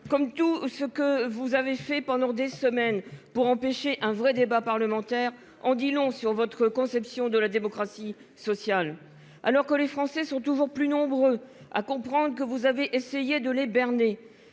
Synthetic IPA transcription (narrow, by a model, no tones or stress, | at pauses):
kɔmt̪usəkəvuzavefɛpɑ̃d̪ɑ̃d̪esəmɛnpuʁɑ̃peʃeʔɛ̃vʁɛd̪ebapaʁləmɑ̃t̪ɛʁ | ɑ̃d̪ilɔ̃syʁvɔt̪χəkɔ̃sɛpsjɔ̃d̪əlad̪emɔkχasi | sɔsjal | a̰lɔʁkəlefχɑ̃sɛsɔ̃t̪uʒuʁplynɔ̃bʁøa̰kɔ̃pχɑ̃d̪ʁəkəvuzaveʔesejed̪əlebɛʁne